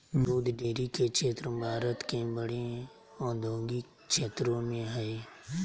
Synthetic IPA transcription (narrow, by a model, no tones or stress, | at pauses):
nuːd̪ɖeːɾikekt͡ʃʃeːt̪ɾəbʱaːɾət̪kẽbəɽẽ | ɔːd̪ʱõːŋɡik | ʃʰeːt̪ɾõmẽɦɛe